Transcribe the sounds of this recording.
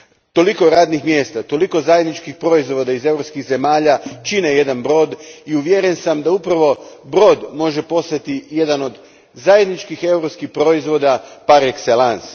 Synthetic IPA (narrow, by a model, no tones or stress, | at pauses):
t̪o̞liko̞ɾaːd̪nixmje̞ːst̪at̪o̞liko̞zajed̪nit͡ʃkixpɾo̞izʋo̞d̪aize̞vɾopskiɣze̞maːʎat͡ʃineje̞d̪anbɾo̞ːd̪iuʋjeɾensamd̪aupɾaʋo̞bɾo̞ːd̪mo̞ʒe̞po̞st̪at̪ije̞d̪ano̞d̪ | zajed̪nit͡ʃkixe̞wɾopskixpɾo̞izʋo̞d̪apaɾekselˠans